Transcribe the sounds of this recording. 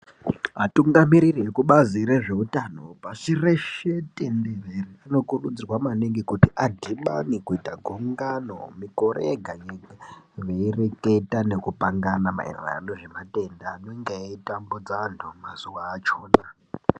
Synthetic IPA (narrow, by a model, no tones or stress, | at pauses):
ɦatuŋɡamiɾiriekuɓaziɾe̞ʐe̞utano̞pasireʃetʼendereriano̞kurud͡zirwamaneŋɡikutiʔadʱiɓa̰nikuitaɡʱuŋɡano̰miko̞rʔeɡʱajeʋeireke̞tane̞kupaŋɡanama̰ʔḛra̰noʐe̞mate̞ndaneŋɡeeitambud͡zaːntʰumaz̥uʋaːt͡ʃo̞ːna